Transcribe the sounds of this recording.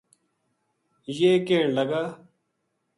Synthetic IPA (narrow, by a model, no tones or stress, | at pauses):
jeːkeːɳlɐɡaː